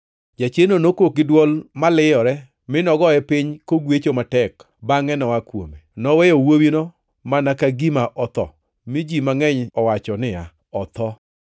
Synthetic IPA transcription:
d͡ʒat͡ʃenonokok̚ɪdwɔlmalɪjɔɾɛ | mɪnɔɡɔɛpiɲkoɡwet͡ʃomatɛk | baŋɛnɔwakwo̰menɔwɛjɔwowinɔ | manakaɡimaʔɔt̪ɔ̰ | mid͡ʒimaŋɛɲɔwat͡ʃɔnɪa | ɔt̪ɔ

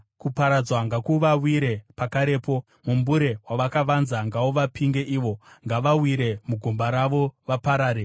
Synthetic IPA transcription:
kupaɾad͡zwaŋɡakuʋawiɾe̞pakaɾe̞ːpo̞ | mumbuɾe̞waʋakaʋanzaŋɡawoʋapʰiŋɡe̞ʔiːʋo̞ŋɡaʋawiɾe̞muɡʱumbaɾaʋo̞ʋapaɾaːɾe

